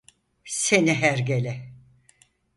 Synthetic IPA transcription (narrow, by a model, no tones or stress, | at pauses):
seniɦæɾɟelʲɛ